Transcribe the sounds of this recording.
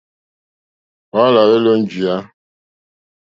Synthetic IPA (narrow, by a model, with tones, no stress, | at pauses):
ɔ˦la˨ɾe˦lo˦n̩˦d͡ʒi˨a˦